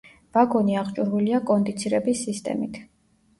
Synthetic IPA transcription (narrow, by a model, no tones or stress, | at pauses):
b̥aɡɔniaʁt͡ʃʼuɾviliakʼɔnd̪it̪sʰiɾɛbisːist̪ʼɛ̰mit̪ʰ